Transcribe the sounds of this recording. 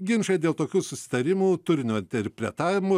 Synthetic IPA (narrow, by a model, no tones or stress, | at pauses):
ɡʲɪnʃɐd̪ʲeːlˠt̪oːkʲuːsʊsʲɪ̥t̪ɐɾʲɪmuːt̪ʊɾʲɪnʲoːɪnʲt̪ʲɛɾʲpʲɾʲɛ̰t̪ɑːʋʲɪmʊ